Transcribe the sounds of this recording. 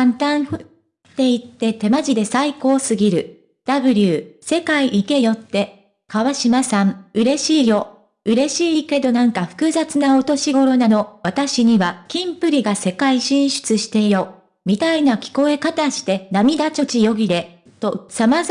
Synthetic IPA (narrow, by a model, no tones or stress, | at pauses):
ãnt̪ãɰ̃ɸɯ | t̪ːe̞it̪ːe̞t̪e̞maʑid̪e̞saiko̞ːsɨɡʲiɾɯ̟ | d̪̥abɯ̟ɾʲɯːse̞kaiʔike̞jo̞t̪ːe̞ | kaβaɕimasãɴɯ̟ɾe̞ɕiːjo̞ | ɯ̟ɾe̞ɕiːke̞d̪o̞nãŋkaɸɯ̟̥kɯ̟zat͡sɨnao̞t̪o̞ɕiɡo̞ɾo̞nano̞βat̪aɕiɲ̟iβakʲĩmpɯ̟ɾʲiɡase̞kaiɕĩɰ̃ɕɨ̥t͡sɨɕi̥t̪e̞jo̞ | mʲit̪ainakʲi̥ko̞e̞kat̪aɕi̥t̪e̞namʲid̪at͡ɕo̞t͡ɕijo̞ɡʲid̪e̞ | t̪osama